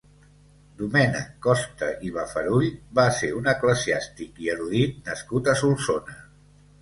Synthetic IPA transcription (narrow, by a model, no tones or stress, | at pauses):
d̪umɛnə̰kɔst̪əʔiβafəɾuʎβaseunəkləziast̪ikiəɾuðit̪̚nəskut̪əsulˠsonə